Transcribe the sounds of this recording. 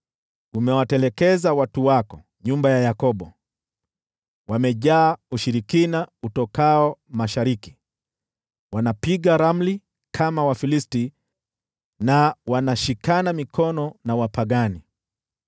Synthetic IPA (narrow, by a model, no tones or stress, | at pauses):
umɛwatɛlɛkɛzawatuwakɔ | ɲumbajajakɔɓɔ | wamɛʄaːuʃiɾikinautɔkaɔmaʃaɾiki̥ | wanapiɠaɾam̩li | kʰamawafilisti | nawanaʃikanamikʰɔnɔnawapaɠani